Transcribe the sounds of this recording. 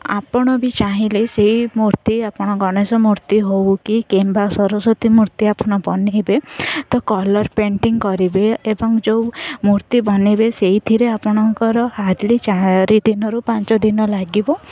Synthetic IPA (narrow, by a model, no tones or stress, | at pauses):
a̰pɔɽ̃ɔbit͡ʃaɦĩleseimuɾt̪iapɔɽ̃ɔɡɔɽ̃esɔmuɾt̪iɦowkikembasɔɾɔsɔt̪imuɾt̪iapɔɽ̃ɔbɔnibet̪ɔkɔlɔɾpeɳʈiŋkɔɾibeːbɔŋd͡ʒowmuɾt̪ibɔnibeseɦit̪ʰiɾeapɔɽ̃ɔŋkɔɾɔhaɾlit͡ʃaɾid̪inɔɾupant͡ʃɔd̪inɔlaɡibɔ